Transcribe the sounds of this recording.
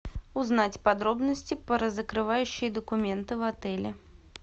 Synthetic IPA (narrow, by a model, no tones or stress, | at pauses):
ʊznat͡sʲpɐd̪ɾobnəsʲtʲɪpəɾəzəkɾɨvajʉɕːɪjəd̪əkʊmʲent̪ɨvɐt̪ɛlʲɪ